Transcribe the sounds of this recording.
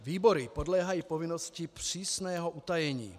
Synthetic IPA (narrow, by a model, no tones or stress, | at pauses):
viːboɾipodlɛːɦajiːpovɪnoscɪpr̥iːsnɛːɦoʔut̪ajɛɲḭː